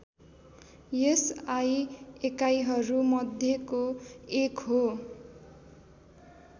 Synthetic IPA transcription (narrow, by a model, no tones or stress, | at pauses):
esajekajɦʌɾumʌd̪ʱjekoekɦo